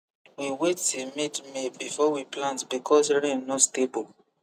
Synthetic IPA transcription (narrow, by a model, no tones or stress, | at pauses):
wiwetemedmebifɔwiplãntbikʰɔs̬ɹẽnnɔstebol